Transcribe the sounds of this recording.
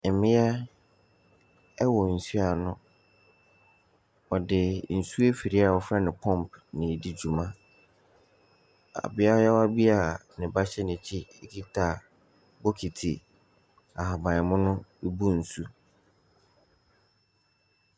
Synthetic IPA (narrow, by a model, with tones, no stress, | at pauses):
ɛ˨mɪ̃˦a˦ | ɛ˦wɔ˨n̩˨su˦a˨nʊ̃˦ | ɔ˨dɪ˨n̩˨su˦e˦fi˨ɾi˦a˨ɔ˨fɾɛ˦nɪ̃˨pʰɔ̃˦˨mpnɪ̃˨di˦d͡ʑu˨mã˦ | a̰˨bɪ˦a˦ɔ˦jɛ˦ɔ˦a˦bi˦a˨nɪ̃˨ba˦ɕɛ˦nɪ̃˨t͡ɕʰi˦e˦kʰi˦tʰa˨ | bɔ˦kʰi˨tʰi˨ | a˨ha˨bã˨ɪ˨mʊ̃˦nʊ̃˦e˦bu˦n̩˨su˦